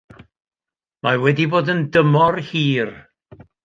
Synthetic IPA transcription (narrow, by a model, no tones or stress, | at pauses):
mawɛdiboːdəndəmɔrhiːr